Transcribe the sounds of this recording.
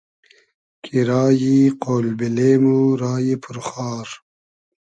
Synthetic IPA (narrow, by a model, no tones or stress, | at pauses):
kʰiɾaːjiqoːlbileːmuɾaːjipʰuɾxɑːɾ